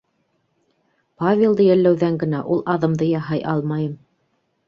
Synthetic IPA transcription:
pavʲelˠd̪ɤjælːæwðæŋɡɘ̆næʔulˠʔɑðɤ̆md̪ɤjɑɦɑjʔɑlˠmɑjɤm

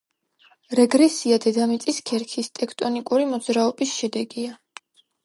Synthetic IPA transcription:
ɾɛɡɾɛsiad̪ɛd̪amit̪sʼiskʰɛɾkʰist̪ʼɛkʰt̪ʼɔnikʼuɾimɔd̪zɾaɔbisʃɛd̪ɛɡia

